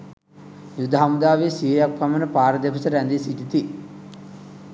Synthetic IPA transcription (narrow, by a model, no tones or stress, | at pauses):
jud̪aɦamud̪aːʋesijejak̚pamənəpaːɾəd̪epʰəsəɾænd̪esit̪it̪i